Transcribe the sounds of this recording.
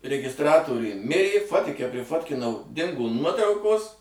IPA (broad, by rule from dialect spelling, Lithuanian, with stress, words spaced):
rʲɛɡʲɪsˈtrɑːtoːrʲʊj ˈmʲɪrʲeː ˈfoːtʲɪkʲɛ pʲrʲɪˈfoːtʲkʲɪnɐʊ ˈdʲɪŋɡoː ˈnuɔtrɐʊkoːs